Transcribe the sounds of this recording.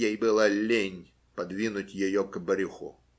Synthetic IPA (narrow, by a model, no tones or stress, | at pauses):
jejbɨlˠɐlʲenʲ | pɐd̪vʲinʊtʲjɪjɔkbəɾʲuxʊ̰